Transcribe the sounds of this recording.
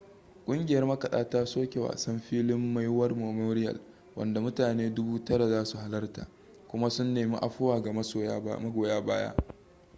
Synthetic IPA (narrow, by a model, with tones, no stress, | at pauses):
kʷʼʊ˦ŋɡʲɪ˨jɐ˦rmɐ˦kɐ˨ɗaː˦taː˦soː˦kʲe˨wa̰˨sɐ˦mɸiː˦lɪ˦mːa˦jwɐ˦rmoː˨moː˦ɾɪ˦jɐ̰˨l | wɐ̰˨nda˨mʊ˦taː˨neː˦dʊ˦buː˦tɐ˦ɽa˨zaː˦su˨ha˦lɐ˦rta̰ː˨ | kʷʊ˦ma˦sʊ˦nːeː˨mi˦ʔa˨ɸʊ˦waː˨ɡa˨mɐ˦o˨˦mɐ˦ɡoː˨jaː˦baː˦ja̰˦ʔ